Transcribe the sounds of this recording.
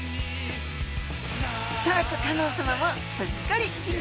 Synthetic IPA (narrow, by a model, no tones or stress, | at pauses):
ɕakɯ̟kanõːsamamo | sɨkːaɾʲi